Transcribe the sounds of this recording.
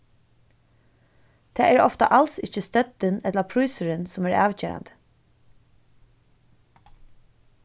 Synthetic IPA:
t̪ʰɛːæɹɔft̪a̰ʔalsɪcːəst̪œt̪ɪnɛt̪lapʰɾujsəɾɪnsʊmæɹɑ̰ːʋceːɹa̰nd̪ə̥

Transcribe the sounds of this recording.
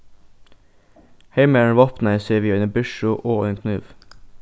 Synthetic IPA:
heɪməɳʋɑpnəseːʋiːœʏnəbʉʃʊʔoːœʏnkʰnʉːʋ

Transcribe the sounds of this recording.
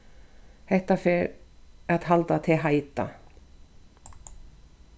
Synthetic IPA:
hɛht̪afɛɾaðɦalt̪at̪ʰɪlɦaːjt̪a̰

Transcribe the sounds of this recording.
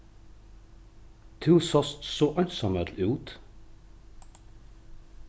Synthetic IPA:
t̪ʰʉːsɔst̪soʔœʏnsɔmœd̪lʉːt̪

